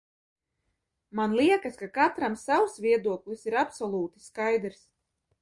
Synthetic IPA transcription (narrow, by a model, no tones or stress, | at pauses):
manlˠiɛkaskakat̪ɾamsawusvʲiɛd̪uɔklˠisiɾapsɔlˠuːt̪i̥skajd̪ɾs